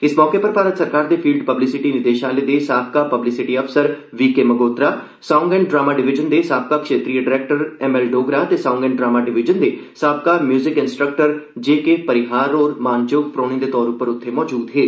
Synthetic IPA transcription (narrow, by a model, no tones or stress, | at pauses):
ɪsmɔːkepəɾpaːɾət̪səɾkaːɾd̪eːpʰiːlɖpəblɪsɪʈiːnɪd̪eːʃaːleːd̪eːsaːb̚kaːpəblɪsɪʈiːəfsəɾ | ʋiːkeːməɡoːt̪ɾaː | saːʊ̃ŋɡɛ̃ɳ̚ɖɾaːmaːɖɪʋɪd͡ʒənd̪eːsaːb̚kaːkʃeːt̪ɾijəɖɪɾɛːk̚ʈəɾɛmɛːlɖoːɡɾaːt̪eːsaːŋɡɛ̃ɳɖɾaːmaːɖɪʋɪd͡ʒənd̪eːsaːb̚kaːmjuːzɪkɪnsʈɾək̚ʈəɾd͡ʒeːkepəɾɪɦaːɾɔːɾmaːnt͡ʃʊkpɾoːɽ̃ĩd̪eːt̪ɔːɾʊpəɾʊt̪ʰːemɔːd͡ʒuːd̪ɦeː